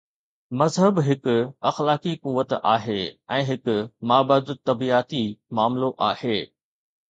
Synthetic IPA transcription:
mɐzɦəbɦɪkʊɐxlaːkikuʋət̪a̰ːɦeːɛ̃ːɦɪkʊmaːbəd̪t̪ɐbiaːt̪imaːmloʔaːheː

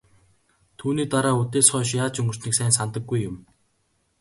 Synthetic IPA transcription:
t̪ʰuːniːt̪aɾaːɵt̪eːsχɔːʃ̬jaːt͡ɕɵŋɡɵ̆rt͡ɕniːksæːnsant̪ə̆ɡːujːʊm

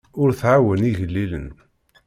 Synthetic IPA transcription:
ʊɾθʕawəniʝəlːilə̰n

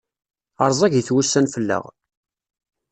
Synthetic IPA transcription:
ɑɾˤzˤæʝiθwusːænfəlːə̰ʁ

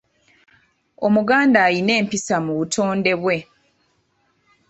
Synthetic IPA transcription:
o̞muɡaːndaːjine̞ːmpisamuβutʰo̞ːnde̞βwe̞

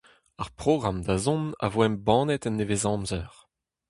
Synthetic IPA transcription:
aʁpʁoɡʁamd̪azɔ̃na̰voɛmbɑ̃ːnɛt̪ɛnːevezɑ̃ːmzœʁ

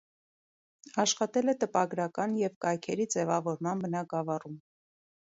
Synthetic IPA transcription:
ɑʃχɑt̪ɛlɛt̪əpɑɡɾɑkɑnjɛvkɑjkʰɛɾid͡zɛvɑvɔɾmɑnbənɑkɑvɑrum

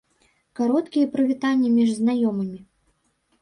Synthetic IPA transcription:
kaɾɔt̪kʲijɛpɾɨvʲit̪anʲːɐmʲiʐznajɔmɨmʲi

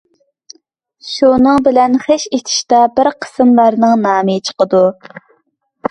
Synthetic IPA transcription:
ʃunɨŋbɪlɛnχeʃet̪ʰɪ̥ʃt̪ɑbɪɾqʰə̥sɨmlˠɑɾnɨŋnɑːmɨt͡ʃʰə̥qəd̪u

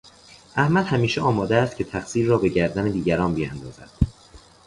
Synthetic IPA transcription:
ʔæhmæd̪hæmiːʃeɒːmɒːd̪eæst̪̚cʰe̞t̪ʰæxsiːɾːɒːbe̞ɟæɾd̪æned̪iːɟæɾɒːnbiːjæ̰nd̪ɒːzæ̰d̪̥

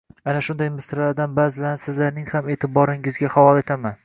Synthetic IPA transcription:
anaʃʊnd̪ajmɪsɾlaɾd̪anbaːzɪlaɾnɪsɪzlaɾnɪŋhame̞ːt̪ʰɪbɒɾɪŋɪzɡʲahavɒlˠe̞t̪ʰaman

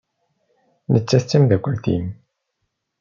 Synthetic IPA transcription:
nət͡sːæθt͡sːæmðækʷːəlt̪ḭm

